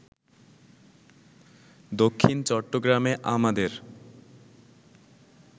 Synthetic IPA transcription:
d̪okʰːint͡ɕɔʈːoɡɾameʔamad̪eɾ

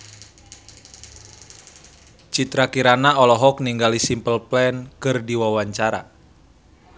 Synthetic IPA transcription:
t͡ʃit̪ɾakiɾanaɔlɔɦɔk̚niŋɡalisimpəlplɛnkɨrdiwawaɲt͡ʃaɾa̰

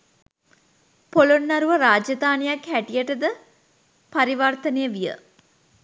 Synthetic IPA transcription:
polonːaɾuʋəɾaːd͡ʒɐd̪aːnejakɦæʈijəʈəd̪ə | paɾiʋart̪ənejəʋijə̰

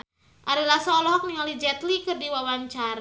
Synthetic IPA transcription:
ʔaɾalahsɔlɔɦɔk̚niŋalid͡ʒɛt̪likɨrdiwawaɲt͡ʃaɾ

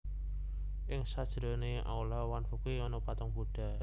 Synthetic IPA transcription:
ʔɪŋsad̥ʒ̥ɾɔ̤neʔa̰ulawanfukiɔnɔpat̪ɔŋbuɖ̥a̤

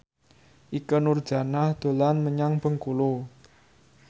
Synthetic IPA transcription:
ʔikənʊrd̥ʒ̥a̤nahd̪̥o̤lanməɲaŋb̥ə̤ŋkulo

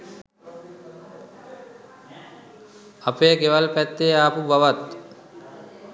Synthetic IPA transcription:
apeːkeʋalpɛt̪ːeːaːpubaʋat̪

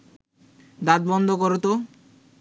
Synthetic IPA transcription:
d̪ad̪̚bɔnd̪ʱokoɾot̪o

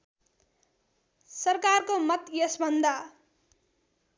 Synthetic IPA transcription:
sʌrkarkomʌt̪jʌsbʱʌnd̪a

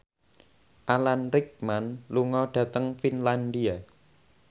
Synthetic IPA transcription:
ʔalanɾɪk̚manluŋɔɖ̥ä̤t̪əŋfinland̪ia

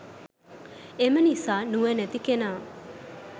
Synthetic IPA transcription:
emənisaːnuʋənɛt̪ikenaː

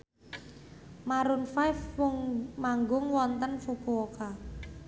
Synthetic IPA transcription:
maɾʊnfajfwʊŋmaŋɡʊŋwɔnt̪ənfub̥ooka

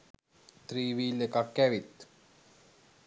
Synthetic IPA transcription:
t̪ɾiːʋiːlekakːæʋit̪

